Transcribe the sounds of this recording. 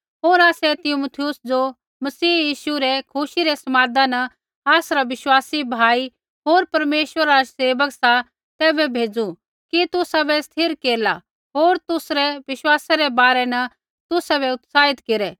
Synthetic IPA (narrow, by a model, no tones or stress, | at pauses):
ɦoːɾaːsɛt̪ɪmut̪ʰɪjʊsd͡ʒo | mɐsiːjiːʃuɾɛkʰʊʃiɾɛsɐmaːd̪anɐ | aːsɾaʋɪʃwaːsibʱaːi | ɦoːɾpɐɾmeːʃwəɾaaaseːbəksa | t̪ɛːbɛbʱeːd͡zu | kit̪ʊsabɛst̪ʰɪɾkeːla̰ | ɦoːɾt̪ʊsɾɛʋɪʃwaːsaɾɛbaːɾɛnɐ | t̪ʊsabɛʊt̪saːɪt̪keɾɛ